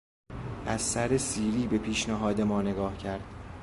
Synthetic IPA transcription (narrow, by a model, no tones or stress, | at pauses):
ʔæzsæɾesiːɾiːbe̞pʰiːʃnæɦɒːd̪e̞mɒːne̞ɡɒːhcʰæɾd̪̥